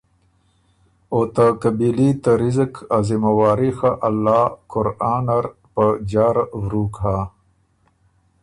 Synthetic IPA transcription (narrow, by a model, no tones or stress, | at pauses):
oːt̪akɐbilit̪aɾizəkazimɐwaːɾixaʔɐlːaːkʊɾaːnaɾ | pəd͡ʑaːɾwɾuːkɦa